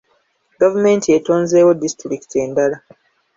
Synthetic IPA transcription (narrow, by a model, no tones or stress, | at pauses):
ɡavume̞ntietoːnze̞ːwodistɾikte̞ːndala